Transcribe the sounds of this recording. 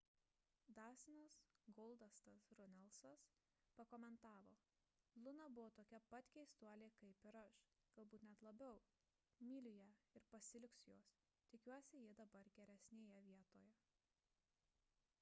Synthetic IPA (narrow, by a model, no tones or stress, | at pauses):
d̪ɑːsʲɪnɐsɡɔlˠd̪ɐst̪ɐsɾʊnʲɛlˠsɐs | pɐkoːmʲɛnt̪ɑːʋoː | lˠʊnɐbʊʋoːt̪oːkʲɛpɐt̪ʲkʲɛɪst̪uɔlʲeːkɐɪpɪɾɐʃ | ɡ̥ɐlˠbuːt̪nʲɛt̪lˠɐbʲɛʊ | mʲiːlʲɪjɛɪɾpɐsʲɪlʲɪksjoːs | t̪ʲɪkʲuɔsʲɪjid̪ɐbɐɾɡʲɛɾʲɛsʲnʲeːjɛʋʲiɛt̪oːjɛ